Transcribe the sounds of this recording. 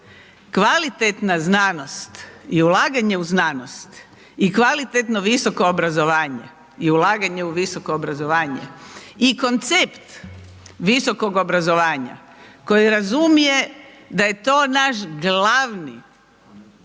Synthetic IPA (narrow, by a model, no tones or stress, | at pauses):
kʋalit̪et̪naznaːno̞st̪iulaːɡaɲe̞uznaːnost̪ | ikʋalit̪et̪no̞ʋiso̞koobɾazo̞ʋaːɲe̞̰ | iulaːɡaɲe̞uʋiso̞koːbɾazo̞ʋaːɲḛiko̞nt̪sept̪ | ʋiso̞ko̞ɡobɾazo̞ʋaːɲa̰ | ko̞jiɾazumije̞ | d̪aje̞t̪o̞ːnaʃɡlaʋni